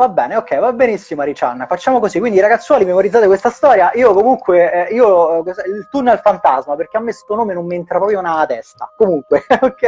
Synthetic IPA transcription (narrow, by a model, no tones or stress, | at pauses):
vabːɛːneokːɛjvabːenisːimaɾit͡ʃa̰nːafat͡ʃːaːmokozikːwind̪iɾaɡat̪sːwɔːlimemoɾid̪zat̪ekwest̪ast̪ɔːɾjaʔiːokomuŋkweiːosilt̪unːealfant̪azmaperk̟eamːest̪uonoːmenomːient̪ɾapɾɔpɾjounat̪ɛst̪a̰komuŋkweokːɛ